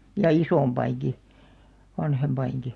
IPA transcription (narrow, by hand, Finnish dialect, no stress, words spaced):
jɑ isoˑmpɑiŋki ʋɑnhempɑiŋki